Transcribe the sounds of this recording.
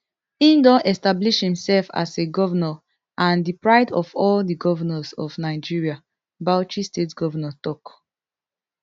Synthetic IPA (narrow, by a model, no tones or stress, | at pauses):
ĩndɔʔɛstabliʃhĩmsɛlfa̰seɡɔvənɔ | ʔãndipɹaɪdɔvɔldiɡɔvənɔsɔvnaɪd͡ʒiɹia | baʊt͡ʃistetɡ̥ɔvənɔtɔk